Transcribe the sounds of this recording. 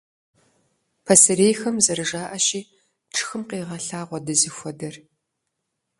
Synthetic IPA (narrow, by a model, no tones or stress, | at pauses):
pʰɐsɨɾeːjxɐmzɐɾɨʒaːʔɐʃiː | ʈ͡ʂʰɨ̥xɨmqeːʁɐɬaːʁʷɔdɐzɨxʷɔdɐr